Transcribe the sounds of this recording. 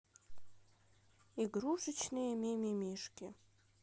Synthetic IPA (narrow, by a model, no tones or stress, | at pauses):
iɡruʂɨt͡ʃʰnɨjememimiʂkʲɪ̰